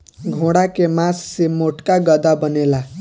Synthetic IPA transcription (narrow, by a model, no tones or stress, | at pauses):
ɡʱõɽakemasːemoʈkaɡʌd̪abənela